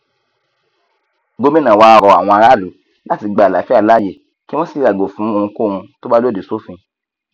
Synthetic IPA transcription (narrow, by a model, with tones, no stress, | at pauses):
ɡo˧˦mĩ˦nã˨wa˧ɾɔ˨a̰˨w̃ɔ̃˧a˧ɾa˦˨lu˨˦ | la˦ti˨˧ɡ͡ba˨la˨fi˦a˦˨la˦˨je˦˨ | ki˦w̃ɔ̃˦si˨˦ɾa˨ɡo˨fũ˨˦o˧hũ˧ko˦˨˧hũ˧to˦ba˦lo˦˨de˨so˨˦fĩ˧